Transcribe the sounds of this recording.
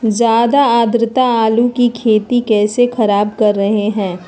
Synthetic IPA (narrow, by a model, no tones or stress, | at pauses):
zjaːd̪aaːd̪ɾɪt̪aaːlukikʰeːt̪ikɛːsexɐɾaːbkɐɾːɐɦeɦɛ̃ː